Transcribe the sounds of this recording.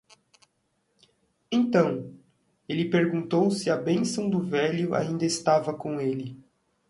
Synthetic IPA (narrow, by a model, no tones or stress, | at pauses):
ẽnt̪ɐ̃w̃ | elɪpeɾɡũnt̪owsɪɐbẽsɐ̃w̃d̪ʊvɛljʊʔa̰ĩnd̪ɐɪst̪avɐkõelɪ